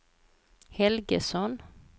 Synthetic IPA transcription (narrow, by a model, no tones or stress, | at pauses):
hɛlɡəsɔn